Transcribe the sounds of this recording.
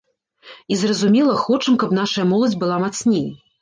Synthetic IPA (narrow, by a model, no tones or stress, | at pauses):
izrɐzumʲɛlˠɐxɔt͡ʂɐmkɐpnaʂɐjɐmɔlˠɐd͡zʲbɨlˠamat̪snʲej